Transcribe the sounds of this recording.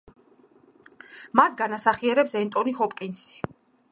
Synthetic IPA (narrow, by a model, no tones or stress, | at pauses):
masɡanasaχiɛɾɛpsɛnt̪ʼɔnihɔpʼkʼinsi̥